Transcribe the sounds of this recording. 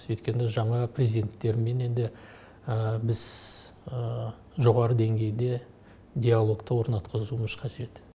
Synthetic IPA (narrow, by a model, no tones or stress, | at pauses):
jɵjt̪kʲe̞nɪʒɑɴɑprʲezʲid̪e̞nt̪ːe̞ɾme̞ne̞nd̪ɪ | əbɪz̥ | ə | ʒo̞ʁɑɾəd̪e̞ŋɡʲe̞jd̪e̞ | d̪ʲialˠo̞kt̪əwo̞ɾnɑt̪qʰəzuməzqʰɑʒe̞t̪